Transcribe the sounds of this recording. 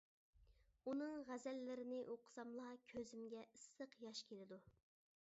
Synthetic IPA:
unɨŋʁæzɛlːɪɾɪnɪʔoqʰʊ̥sɑmlˠɑkʲʰøzɪmɡʲɛisːəqjɑʃkʲʰelɪd̪u

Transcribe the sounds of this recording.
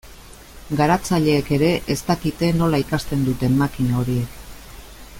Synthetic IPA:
ɡaɾat͡saʎe̞ːke̞ɾe̞ʔest̪akit̪e̞no̞laikast̪e̞nd̪ut̪e̞mmːakiɲao̞ɾie̞k

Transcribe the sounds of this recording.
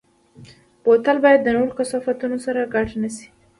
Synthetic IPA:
b̥ot̪albɑjad̪ːənoɾokasɑfat̪unosaɾaɡaʈanasi̥

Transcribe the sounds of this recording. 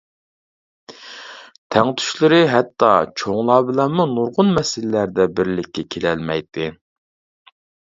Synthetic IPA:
t̪ʰɛŋt̪ʰy̥ʃlɪɾɪɦɛt̪ːɑ̰t͡ʃʰoŋlˠɑːbɪlɛmːunuɾʁʊnmɛsɪlɪlæɾd̪ɛbɪɾlɪkʲːɛkʲʰelɛlmɛjt̪ɪ

